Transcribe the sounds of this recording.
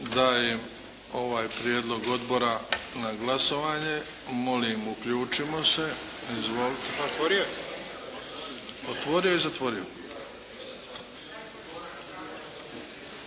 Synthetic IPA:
d̪aːjem | o̞ʋaːjpɾjeːd̪lˠo̞ɡo̞d̪bo̞ɾanaɡlaso̞ʋaːɲe | mo̞limukʎuːt͡ʃimo̞se̞ | izʋolt̪et̪oɾo | ot̪ʋo̞ɾijoizat̪ʋo̞ɾio

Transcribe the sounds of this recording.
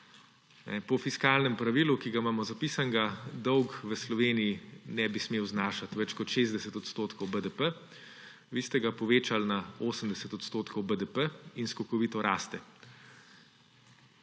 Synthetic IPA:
nɛ̰pɔfiskaːlnɛmpɾaʋilukiɡamaːmɔzapiːsaŋɡad̪ɔwkʋəslɔʋeːnijinɛbismeːwznaːʃat̪ʋɛt͡ʃkɔt̪ʃeːzd̪ɛsɛt̪ɔt̪st̪oːt̪kʰɔwbəd̪əpə | ʋist̪ɛɡapɔʋeːt͡ʃalnaoːsəmd̪ɛsɛt̪ɔt̪st̪oːt̪kʰɔwbəd̪əpəinskɔkɔʋiːt̪ɔɾʔa̰ːst̪ɛ

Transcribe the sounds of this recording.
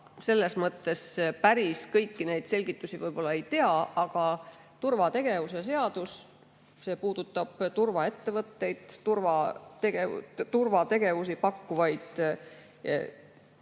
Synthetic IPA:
se̞lːe̞smɤt̪ːe̞spæɾiskɤjkːine̞jd̪̥se̞lʲɡ̥it̪ːˑusivɤjb̥o̞lːɑejt̪e̞ɑɑɡ̥ɑ | t̪urvɑt̪e̞ɡe̞vus̬es̬e̞ɑd̪̥us | se̞ːpuːd̪̥ut̪ːˑɑb̥t̪urvɑe̞t̪ːe̞vɤt̪ːe̞jd̪̥t̪urvɑt̪eɡḛt̪urvɑt̪e̞ɡe̞vus̬ipɑkːuvɑjd̪̥̰

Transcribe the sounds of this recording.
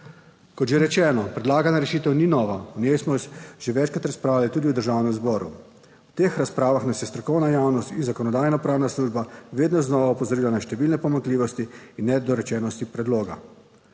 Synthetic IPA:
kɔt̪ʒeɾɛt͡ʃɛːnɔpɾɛd̪laːɡanaɾɛʃiːt̪ɛwninɔːʋaɔnʲjɛjsmɔʒ̥eʋɛːt͡ʃkɾat̪ɾaspɾaːwlalit̪uːd̪iwd̪əɾʒawnɛmzbɔːɾṵ | wt̪eːxɾaspɾaːʋaxnasjɛst̪ɾɔkɔwnajaːwnɔst̪inzakɔnɔd̪aːjnapɾaːwnasluːʒbaʋeːd̪nɔznɔʋaɔpɔzɔɾiːlanaʃt̪ɛʋilnɛpɔmaŋkliːʋɔst̪iːnːɛd̪ɔɾɛt͡ʃɛːnɔst̪ipɾɛd̪loːɡa̰

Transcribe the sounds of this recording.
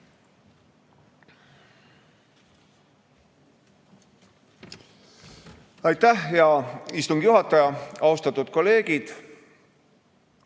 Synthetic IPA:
ɑjt̪ːæhjɑist̪uŋɡ̥juɦɑt̪ːˑɑjɑɑust̪ɑt̪ːˑud̪̥ko̞lːe̞ːɡ̥id̪̥

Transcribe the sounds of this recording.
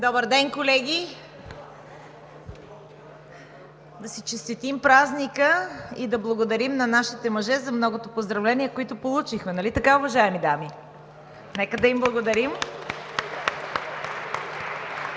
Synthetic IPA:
d̪ɔbəɾd̪ɛnkolɛɡʲi | d̪ɐsit͡ʃɛst̪it̪impɾaznikəid̪ɐblˠɐɡod̪ɐɾimnɐnaʃit̪ɛmɐʒɛzɐmnɔɡot̪opozd̪ɾɐvlɛniɛkoit̪ʊpolˠut͡ʃixmɛnɐlit̪ɐkaʊvɐʒaɛmid̪ami | nɛkəd̪ɐimblˠɐɡod̪ɐɾim

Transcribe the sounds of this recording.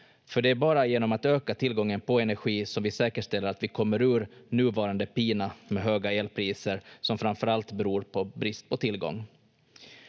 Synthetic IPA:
fœɖɛæɾbɑːɾajeːnɔmat̪øːkat̪ʰɪlɡɔŋːənpʰɔɛnæɾɧiːsɔmvɪsɛːkəʂt̪ɛlːəɾat̪vɪkʰɔmːəɾʉ̟ːɾnʉ̟ːvɑːɾand̪əpiːnamɛɦøːɡaeːlpʰɾiːsəɾsɔmfɾanfœɾalt̪bɛɾuːɾpʰɔbɾɪst̪̚pʰɔt̪ʰɪlɡɔ̰ŋː

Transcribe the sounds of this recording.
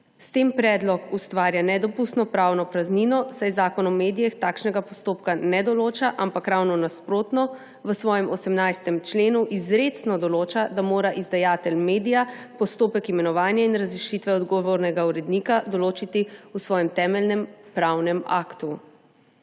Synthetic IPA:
st̪eːmpɾɛːd̪lɔkust̪ʋaːɾjanɛd̪ɔpust̪nɔpɾaːwnɔpɾazninɔsajzaːkɔnɔmeːd̪ijɛxt̪aːkʃnɛɡapɔst̪oːpkanɛd̪ɔloːt͡ʃaʔampakɾawnɔnaspɾoːt̪nɔ | ʋəsʋɔːjɛmʔɔsɛmnajst̪ɛmt͡ʃleːnuʔizɾeːt̪snɔd̪ɔloːt͡ʃad̪amoːɾaʔizd̪ajaːt̪ɛlmeːd̪ija | pɔst̪oːpɛkimɛnɔʋaːnjainɾazɾiʃiːt̪ʋɛɔd̪ɡɔʋoɾnɛɡauɾɛd̪nikad̪ɔloːt͡ʃit̪iusʋɔːjɛmt̪ɛːmɛlnɛmpɾawnɛmaːkt̪u

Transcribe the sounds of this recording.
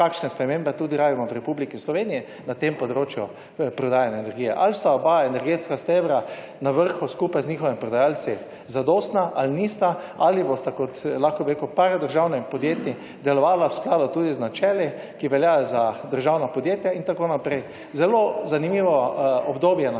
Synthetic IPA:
kakʃnɛspɾɛmẽmbɛt̪uːd̪iɾaːbimɔwɾɛpublikislɔʋenijɛ | nat̪empɔd̪ɾoːt͡ʃjʊ | pɾɔd̪aːjanjaenɛɾɡiːjɛʔalst̪aɔbaenɛɾɡet̪skast̪eʋɾa | naʋəɾxuskupajznixɔʋimpɾɔd̪ajalt͡ssi | zad̪oːst̪naʔalnist̪aalibost̪akɔt̪laxkɔbiɾekupaɾad̪əɾʒawnɛipɔd̪jeːt̪ni | d̪ɛlɔʋaːlawsklaːd̪ʊt̪uːd̪iznat͡ʃɛːli | kiʋɛljaːjɔzad̪əɾʒawnapɔd̪jet̪jaint̪akoːnapɾɛj | zɛlozanimiːʋɔɔbd̪oːbjɛna

